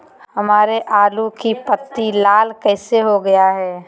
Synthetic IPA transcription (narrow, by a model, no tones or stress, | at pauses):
hɐmaːɾeʔaːlukipət̪ːilaːlkɛːseɦoɡɐjaɦɛː